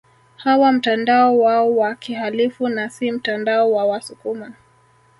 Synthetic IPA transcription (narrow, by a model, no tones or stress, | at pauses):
hawam̩tandaɔwaɔwakihalifunasim̩tandaɔwawasukuma